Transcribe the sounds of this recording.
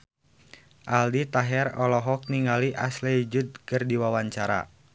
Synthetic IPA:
ʔaldit̪aɦɛrɔlɔɦɔk̚niŋaliʔaslɛd͡ʒud̪̚kərdiwawaɲt͡ʃaɾa̰

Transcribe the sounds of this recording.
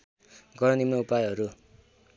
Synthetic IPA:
ɡʌɾʌnimnʌupajɦʌɾu

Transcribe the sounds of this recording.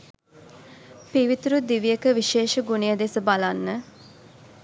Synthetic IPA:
piʋit̪uɾud̪iʋijəkəʋiʃeːʃəɡunijəd̪esəbalanːə

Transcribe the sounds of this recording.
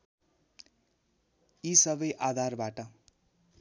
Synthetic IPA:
isʌbʌjʔad̪ʱarbaʈʌ

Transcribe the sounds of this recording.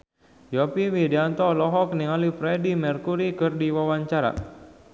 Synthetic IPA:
jɔpiwidiant̪ɔlɔɦɔk̚niŋalifɾɛdimərkuɾikɨrdiwawaɲt͡ʃaɾa̰

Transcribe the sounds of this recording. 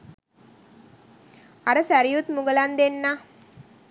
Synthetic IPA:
aɾəsæɾijut̪muɡəland̪enːa

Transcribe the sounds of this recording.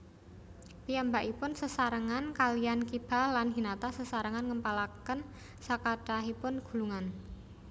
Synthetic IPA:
piambaʔipʊnsəsaɾəŋankalijankib̥a̤lːanɦinat̪asəsaɾəŋanŋəmpalakən | sakaɖ̥aɦipʊnɡ̥ṳluŋan

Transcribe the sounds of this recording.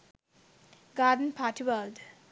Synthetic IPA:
ɡaːdənpʰaːʈʰiwəld

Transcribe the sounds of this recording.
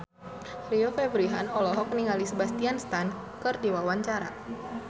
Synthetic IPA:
riofebɾiɦanɔlɔɦɔk̚niŋalisəbast̪ianst̪an | kɨrdiwawaɲt͡ʃaɾa

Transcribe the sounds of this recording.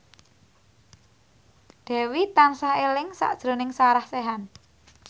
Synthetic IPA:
d̪̥ɛ̤wit̪ansaɦelɪŋsa̰ʔd̥ʒ̥ɾo̤nɪŋsaɾahseɦan

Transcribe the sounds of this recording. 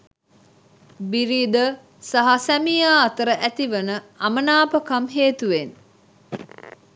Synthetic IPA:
biɾiːd̪ə | saɦasæmijaːt̪əɾəʔæt̪iʋənəɐmənaːpəkamɦeːt̪uʋen

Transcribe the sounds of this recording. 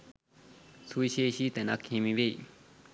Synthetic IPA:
t͡sʰuiɕeɕit̪enakʰẽmĩβei

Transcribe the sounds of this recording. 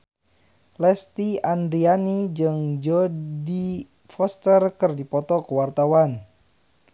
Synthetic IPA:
lɛst̪iand̪ɾianid͡ʒɨŋd͡ʒɔdi | fɔst̪ərkərdipɔt̪ɔkəwart̪awan

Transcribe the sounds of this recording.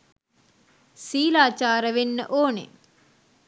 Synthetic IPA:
siːlaːt͡ʃaːɾəʋenːə̰ʔoːnḛ

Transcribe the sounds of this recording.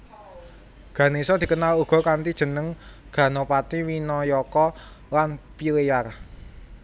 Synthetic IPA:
ɡ̥ä̤nesɔd̪̥i̤kənaluɡ̥ɔ̤kant̪id̥ʒ̥ə̤nəŋ | ɡ̥ä̤nopat̪iwinɔjɔkɔ | lanpiɾejar

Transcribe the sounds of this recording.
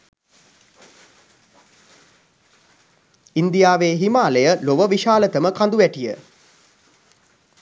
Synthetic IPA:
ind̪ijaːʋeːɦimaːləjəloʋəʋiʃaːlət̪əməkand̪uʋæʈijə̰

